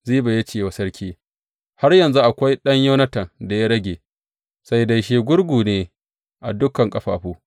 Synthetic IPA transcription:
ziː˦ba˨ja˦t͡ʃeː˦˨wa˨sɐ˦ɾkʲiː˦ | ha˦rjɐ˨nzu˦ʔa˨kʷa˦jɗɐ˦ɲjɐ˦nɐ˦tɐ˨nda˨ja˦ɽɐ˦ɡʲeː˨ | sa˦jda˨jʃeː˦ɡʷʊ˦ɽɡʷuː˨neː˨ | ʔa̰˨dʊ˦kɐ˨ŋkʼɐ˦ɸa̰ː˨ɸuː˦

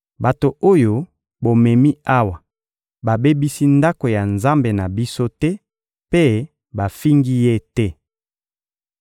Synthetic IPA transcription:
ba˨to˨o˦jo˨ | bo˨mɛ˨mi˦a˦wa˨ | ba˨be˦bi˦si˦nda˦ko˨ja˨nza˦mbe˨na˨bi˦so˦tɛ˦ | pe˦ | ba˨fi˦ŋɡi˦je˦tɛ˦

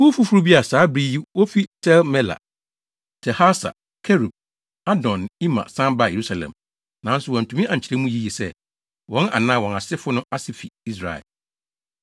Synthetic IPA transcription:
wu˦fu˦fu˦ɾu˦bi˦a˨saː˨˦bɾi˦ji˦wɔ˦fi˦tʰɛ˦lmɛ˦la̰˨ | tʰɛ˨ha˦sa̰˨ | kʰɛ˦ɾu˨b̚ | a˦dɔ̃˨ni˦mã̰˨sã˦ba˦˨je˨ɾu˦sa˨lɛ̰̃˨m | nã˨˦n̩˦sʊ˨wɔ̃˨n̩˨tʰũ˨mĩ˦ʔa˨ɲ̩˨t͡ɕʰi˦ɾɛ˦mũ˦ji˦ji˨sɛ˦ | wɔ̃˨˦na̰˨nã˦wɔ̃˨na˨sɪ˦fʊ˦nʊ̃˦a˦sɪ˨fi˨i˦s̬ɾa̰˨ɛ̰˨l

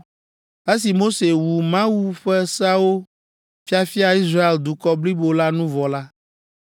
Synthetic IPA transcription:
e˦s̬i˨mo˦se˨wu˨mã˦wu˦ɸɛ˦sa˦wo˦ | fi˦a˨fi˦a˨i˦sɾa˦e˨ld̪u˨kɔ˦bli˦bo˦la˦nũ˦vɔ˨la˦

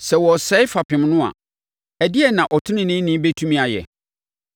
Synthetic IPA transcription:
sɛ˨wɔ˨sɛ˦ɪ˦fa˨pʰɪ̃˨mnʊ̃˦a̰˨ | æ˨dɪ˦ɛ˨nã˨ʔɔ˨tʰʊ˦nɪ̃˦nɪ̃˦nɪ̃˦be˦tʰũ˦mĩ˨a˨jɛ̰˨

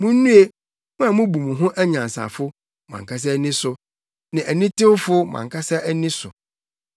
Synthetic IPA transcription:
mũ˦n˦nũ˦e˦ | mũ˦a˨mʊ̃˦bu˨mũ˨ɦʊ̃˦ʔæ˦ɲã˨n˨sa̰˨fʊ˦ | mã̰˨ŋkʰa˦s̬ɛ˦nɪ̃˦sʊ˨ | nɪ̃˨æ˨nɪ̃˦tɪ˦ʊ˦fʊ˦mã̰˨ŋkʰa˦sa˦æ˦nɪ̃˦sʊ̰˨

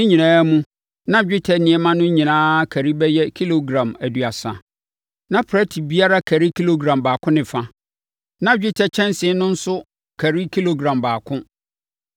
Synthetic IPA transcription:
ɪ̃˦ɲĩ˨nãː˦mũ˦ | nã˦d͡ʑᶣɪ˦tʰɛ˨nɪ̃˨ɛ˦mã˦nʊ̃˦ɲĩ˨nãː˦kʰæ˨ɾi˦bɛ˦jɛ˦kʰi˦lo˨ɡɾã˨mæ˨du˨a˨sã̰˨ | nã˦pʰɾɛ˦tʰi˨bi˦a˦ɾa˦kʰæ˨ɾi˦kʰi˦lo˦ɡɾã˨mbaː˨kʰʊ̃˦nɪ̃˨fã˦ | nã˦d͡ʑᶣɪ˦tʰɛ˦t͡ɕʰɛ̃˦nsɪ̃˨˦nʊ̃˦n̩˦sʊ˦ | kʰæ˨ɾi˦kʰi˦lo˨ɡɾã˨mbaː˨kʰʊ̃˦

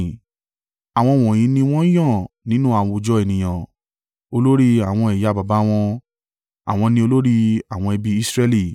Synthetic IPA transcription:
a˨w̃ɔ̃˧w̃ɔ̃˨j̃ĩ˨˦nĩ˧w̃ɔ̃˦jã˦˨ | nĩ˦nũ˦a˦˨w̃ɔ̃˧o˧d͡ʒɔ˦e˨nĩ˨j̃ã˨ | o˧lo˦ɾi˦a˨w̃ɔ̃˧ɛ˨ja˨˦˧ba˨ba˨˦w̃ɔ̃˧ | a̰˨w̃ɔ̃˧nĩ˧o˧lo˦ɾi˧a˨w̃ɔ̃˧ɛ˧bi˧i˦sɾɛ˦˧li˦˨

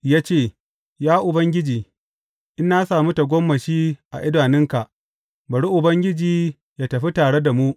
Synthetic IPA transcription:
jaː˦t͡ʃeː˦˨ | jaː˦ʔʊ˨bɐ˦ŋɡʲɪ˦d͡ʒiː˨ | ʔɪ˦nːa˦saː˨mu˦ta˨ɡʷɔ˦mːɐ˨ʃiː˦ʔa̰˨ʔɪ˦daː˨nɪ˦ŋka˨ʔ | bɐ˨ɽi˦ʔʊ˨bɐ˦ŋɡʲɪ˦d͡ʒiː˨ | jaː˦˨tɐ˨ɸi˦taː˨ɽe˦da˨mu˦ʔ

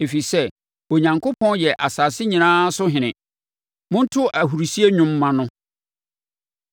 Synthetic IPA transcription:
e˨fi˨sɛ˦ | o˨ɲã˨ŋkʰo˦pʰɔ̃˦njɛ˨ʔa˨saː˨sɪ˦ɲĩ˨nãː˦sʊ˦ɦɪ̃˨nɪ̃˨ | mʊ̃˦n̩˦tʰʊ˦ʔa˨ɦu˨ɾi˨si˦e˦ɲᶣʊ̃˦mː˦ã˦nʊ̃˦

